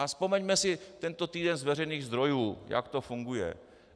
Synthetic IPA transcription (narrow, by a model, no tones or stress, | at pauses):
aspomɛɲmɛsɪt̪ɛnt̪o̞t̪iːdɛnzvɛr̝ɛjniːɣzd̪ɾo̞juːja̰kt̪o̞fuŋɡujɛ̰